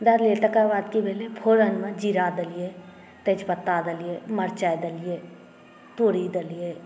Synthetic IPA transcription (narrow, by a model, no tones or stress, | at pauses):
d̪ɐɾleːʈəkaʋaːd̪kibeːlepʰoːɾənməd͡ʒiɾad̪əlije | t̪ed͡ʒpət̪ːad̪əlijeməɾt͡ʃajd̪əlije | t̪oːɾid̪əlije